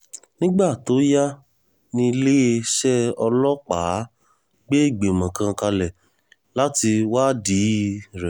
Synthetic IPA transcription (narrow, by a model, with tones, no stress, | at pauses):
nĩ˦ɡ͡ba˦˨to˨˦ja˦ | nĩ˧le˦e˧ʃɛ˦ɔ˧lɔ˦k͡paː˨˦ | ɡ͡be˦i˦˨ɡ͡be˨mã˨kã˧ka˧lɛ˨ | la˦ti˧wa˦di˨˦ɾɛ˨